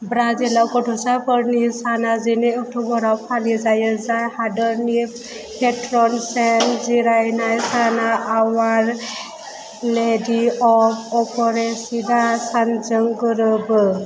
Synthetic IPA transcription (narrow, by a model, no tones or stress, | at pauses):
bɾazilawkɔʈʰɔsapʰɔɾnisanazinɛek̚ʈʰɔɡɔɾawpʰalizajɛzajhadɔɾni | pʰeʈɾɔnsɛnziɾajnajsanaʔːwaɾ | lediɔpɔpʰɔɾesidasand͡ʒɔŋɡɯɾɯb